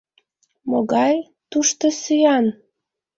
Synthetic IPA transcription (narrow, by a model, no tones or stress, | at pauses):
moɣɑj | t̪uʃt̪əsyɑn